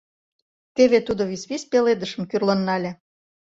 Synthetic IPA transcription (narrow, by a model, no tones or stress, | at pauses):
t̪eβet̪ud̪oβisβispeled̪əʃə̆mkyrlənːɑlʲe